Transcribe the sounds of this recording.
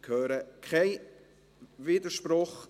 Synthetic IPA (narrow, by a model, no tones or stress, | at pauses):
kʰhøːɾəkʰaɪ | viːdəʃprʊχ